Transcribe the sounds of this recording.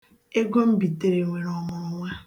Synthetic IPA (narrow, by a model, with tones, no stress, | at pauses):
e˦ɡo˦m̩˦bi˨de˨ɾe˨ŋʷe˨ɾɔ˨mʊ˨ɾʊ˨ŋʷa˦